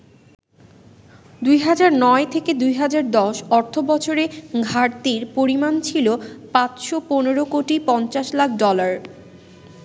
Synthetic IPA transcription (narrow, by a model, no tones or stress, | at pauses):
d̪ujɦad͡ʑaɾnɔet̪ʰeked̪ujɦad͡ʑaɾd̪ɔʃɔɾt̪ʰobɔt͡ɕʰoɾeɡʱaɾt̪iɾpoɾimant͡ɕʰilopãt͡ɕʃoponeɾokoʈipɔnt͡ɕaʃlak̚ʰɖɔlaɾ